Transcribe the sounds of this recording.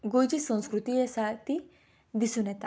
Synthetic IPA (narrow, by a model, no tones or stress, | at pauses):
ɡod͡ʑisə̃w̃skɾut̪iesat̪i | d̪isunɛt̪a